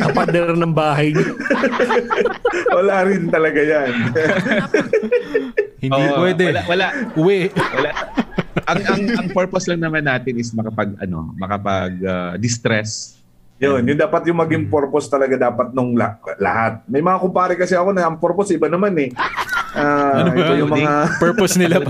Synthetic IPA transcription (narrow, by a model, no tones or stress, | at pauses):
kɐpɐd̪ɛɾɾnɐŋbaːɦɐjɲo | wɐlaɾɪnt̪ɐlɐɡajan | hɪnʔoipwɛːd̪ɛlawɐlaʔʔʊwɛʔwɐlaʔʔɐŋʔɐŋɐŋpoɹposlɐŋnɐmanːaːt̪ɪnɪsmɐkɐpɐɡʔɐ̰no̞̰mɐkɐpɐɡ̚ad̪ɪst̪ɾɛs | jonjʊnd̪aːpɐt̪̚jʊŋmɐɡɪŋpoɾpost̪ɐlɐɡad̪aːpɐt̪̚noŋlɐlɐ̰hat̪̚mɐjmɐŋakʊmpaːɾɪkɐsɛɐko̞nɐɐŋpoɾposɪbanɐmanɛʔaːojʊŋmɐŋapɛɹposnɪla